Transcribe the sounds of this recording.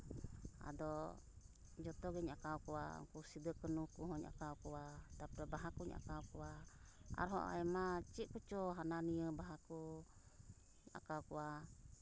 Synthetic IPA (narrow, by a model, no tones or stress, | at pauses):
a̰dɔ | d͡ʒɔt̪ɔɡɛɲakaukuwa̰ŋkusidəkənukuɦɔɲa̰kaukuat̪apabaɦakuɲa̰kawkuaa̰ɾɦɔ̰ʔa̰ɛmat͡ʃiʔkut͡ʃɔɦananiəbaɦaku | ɲa̰kaukua